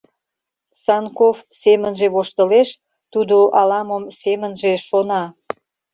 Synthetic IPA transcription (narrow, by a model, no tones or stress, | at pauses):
sɑnkofsemənʒeβoʃt̪əleʃ | t̪ud̪oʔɑlɑməmsemənʒeʃonɑ